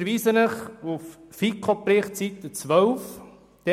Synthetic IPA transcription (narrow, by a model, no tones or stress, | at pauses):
ɾʋiːsənəχuffikʰopɾɪχt͡sit̪ːət͡sʋœwf | d̪̥ɛ